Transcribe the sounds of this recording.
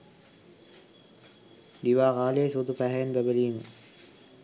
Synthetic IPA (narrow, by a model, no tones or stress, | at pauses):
d̪iʋaːʁaːliesod̪upæɦɛjenbæbəliːmə